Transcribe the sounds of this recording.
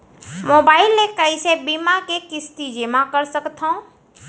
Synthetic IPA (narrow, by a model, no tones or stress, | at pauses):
moːbaːɪlmẽkəisebimakekɪst̪id͡ʒemãkəɾsəkt̪ʰõ